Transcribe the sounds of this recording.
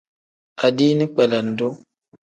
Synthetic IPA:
a˨di˦ni˦k͡pɛ˨la˨n˨do˦

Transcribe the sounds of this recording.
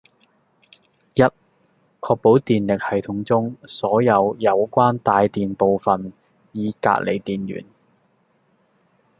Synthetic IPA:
jɐ˥t̚ | kʰɔː˧k̚po˨˥wt̪iː˨nlɪ˨k̚hɐ˨jt̪ʰʊ˧˥ŋt͡sʊ˥ŋsɔː˨˥jɐ˨˧wjɐ˨˧wkʷaː˥nt̪aː˧jt̪iː˨npo˨wfɐ˨n | jiː˨˧ka̰ː˧˥ʔ̚lḛ˨˩jt̪iː˨njy̰ː˨˩n

